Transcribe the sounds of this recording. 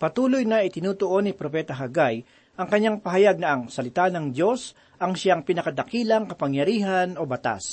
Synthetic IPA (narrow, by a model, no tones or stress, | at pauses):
pɐt̪uːlojnɐʔɪt̪ɪnuːt̪oʔo̞nɪpɾopɛːt̪ɐɦɐɡaj | ʔɐŋkɐɲːaŋpɐɦɐjaɡ̚nɐɐŋsɐlɪt̪anɐŋd̪jo̞s | ʔɐŋʃaŋpɪnɐkɐd̪ɐkiːlɐŋkɐpɐŋjɐɾiːɦɐno̞bɐt̪a̰s